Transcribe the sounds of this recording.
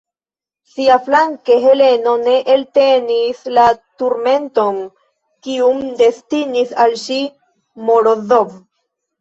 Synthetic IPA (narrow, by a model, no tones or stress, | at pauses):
siaflaŋke̞ɦe̞le̞no̞ne̞ʔelte̞nislatuɾme̞nto̞n | kiumde̞stinisalʃi | moɾoðov